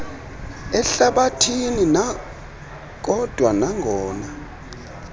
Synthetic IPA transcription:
ɛɬaɓatʰinina | k̬ɔd̥ʱwanaŋʱɔːna

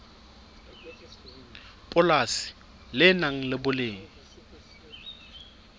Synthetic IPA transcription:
pʼʊlasɪ̥ | lɪnaŋ̩lɪbʊlɪːŋ̩

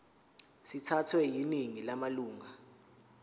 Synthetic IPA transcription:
sitʰatʰwɛjineŋilamaluːŋa

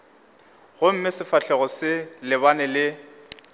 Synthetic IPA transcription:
ɣʊm̩mɪsɪfaɬɛɣɔsɪlɪbanɛlɪ

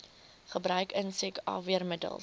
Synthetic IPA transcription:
χəbɾœɥkənsɛkɑ̰ːviərmədə̰lˠ

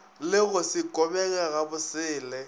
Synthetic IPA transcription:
lɪɣʊsɪkʼɔbɛɣɛɣabʊsɪːlɛ

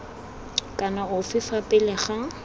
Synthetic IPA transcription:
kʼanaʊfɪfapʼɪlɪχa

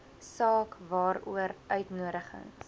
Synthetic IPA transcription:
sɑːkvɑːɾṵəɾʔœɥtnuəɾəχə̰ŋs

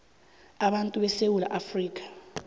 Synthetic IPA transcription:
aɓantʼuɓɛsewula̰ʔafriːkʼḁ

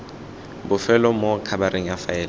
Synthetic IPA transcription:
bʊfɛlɔmokʰabaɾeŋ̩jafaɛːl

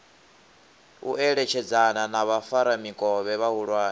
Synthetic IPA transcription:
ṵʔɛɺɛt͡ʃʰɛd͡zananaβafaɾamikʼɔβɛβaɦuɺwaːni

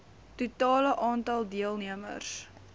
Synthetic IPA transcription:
tutɑːləʔɑːntɑlˠdiəlˠniəmə̰rs

